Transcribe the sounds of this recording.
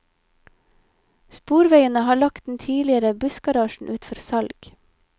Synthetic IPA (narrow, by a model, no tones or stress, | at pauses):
spuːɾʋeɪənəhɑːɭɑkt̪̚d̪n̩t̪ʰiːlɪəɾəbʉsɡɑɾɑːʃɳ̩ʔʉːt̪fɔɾsɑlɡ̥